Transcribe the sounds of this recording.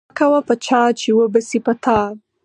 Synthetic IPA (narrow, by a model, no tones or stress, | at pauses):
kawapət͡ʃɑt͡ʃewəbəsipət̪ʰɑ